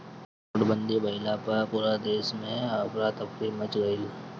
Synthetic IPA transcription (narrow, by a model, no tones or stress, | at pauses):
ʈbə̃nd̪ibɐɪlapɐpuːɾad̪eːʃmẽakɾat̪əpɾimət͡ʃɡəi